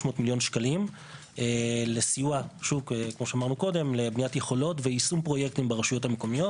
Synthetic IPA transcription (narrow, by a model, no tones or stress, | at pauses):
oʃmo̞ːtmiljo̞nʃkalim | elesijuaʃuvkekmo̞ʃeamaʁnuko̞de̞mlebnijatjeχo̞lo̞tveisumpʁo̞jek̚timbeʁaʃujo̞thameko̞mijo̞t